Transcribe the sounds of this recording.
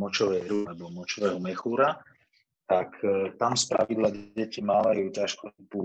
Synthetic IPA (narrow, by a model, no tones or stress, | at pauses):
mɔt͡ʃɔʋɛɾulɛbɔmɔt͡ʃɔʋɛɦɔmɛxuːɾa | t̪akt̪amspɾa̰ʋid̪laɟɛcimaːʋajuːcaʃkɔpuː